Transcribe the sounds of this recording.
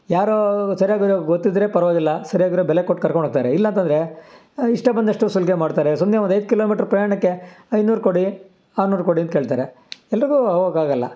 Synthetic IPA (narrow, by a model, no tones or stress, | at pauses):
jaːɾosɐɾijaːɡɾoɡot̪ːid̪ɾe̞pɐɾʋaːɡilːɐsɐɾijaːɡʋɾobɛlekoʈ̚ːkɐɾkoɳɖaːɡ̚t̪aːɾeilːɐnt̪ɐnd̪ɾe̞ | iʂʈɐbɐnd̪ɐʂʈusulɡemaːɖt̪aːɾesumneʋnd̪ɐjd̪̚kiloːmiːʈɐɾpɾɐjaːɳɐkːe̞ɐjd̪nuːɾkoɽi | aːɾnuːɾkoɽiɐnt̪̚keːɭt̪aːɾe | ɛlːɐɾiɡuːɐʋoɡaːɡɐlːɐ̰